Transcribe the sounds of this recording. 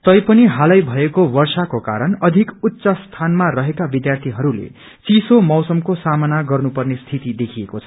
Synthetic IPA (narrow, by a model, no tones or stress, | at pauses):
t̪ʌjpʌniɦalʌjbʱʌekowʌrsakoka̰ɾʌnʌd̪ʱikut̪ːsast̪ʰanmarʌɦekabid̪jart̪ʰiɦʌɾulḛ | t͡sisomʌwsʌmkosamʌnaɡʌrnupʌrnest̪ʰit̪id̪ekʰiekot͡sʰʌ̥